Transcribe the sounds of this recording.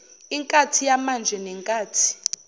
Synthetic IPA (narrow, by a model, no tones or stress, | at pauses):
iŋkʼatʰijamand͡ʒʱɛnɛŋkʼaːtʰi̥